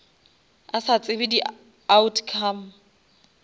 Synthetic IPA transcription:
asat͡sʼɪbɪdi | autʰkʰam

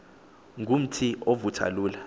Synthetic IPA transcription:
ŋɡʱum̩tʰiʔovutʰa̰luːla

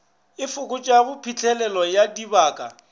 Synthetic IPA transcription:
ɪfʊkʼʊt͡ʃʼabʊpʰit͡ɬʰʼɛlɛlɔjadibaːkʼa

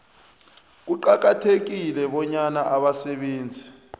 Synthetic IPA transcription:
k̬uǃak̬atʰek̬ilɛɓɔɲanaʔaɓasɛɓeːnd͡zʱi

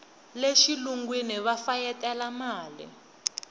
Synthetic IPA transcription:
leʃiluŋɡwiniβafajɛtʼɛlamaːlḭ

